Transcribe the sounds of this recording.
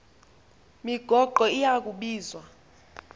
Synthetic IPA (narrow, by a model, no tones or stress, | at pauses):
miɡ̥ʱɔɡ͡ǃʱɔijak̬ʼuɓiːzwa